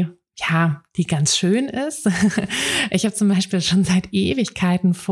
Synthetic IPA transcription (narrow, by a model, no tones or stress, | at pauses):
jaːd̥iːɡansʃøːnɪst | ʔɪçhaːbət͡sʊmbaɪʃpiːlʃoːnzaɪtʔeːvɪçkʰaɪtn̩fo